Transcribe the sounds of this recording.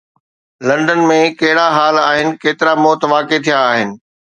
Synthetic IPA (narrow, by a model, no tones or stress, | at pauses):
lɐ̃ɳɖənmẽkɐɦɪɽaɦaːlaːɦɪnɪ̆keːt̪ɪɾamoːt̪ʋaːket̪ʰijaːɦɪnɪ̆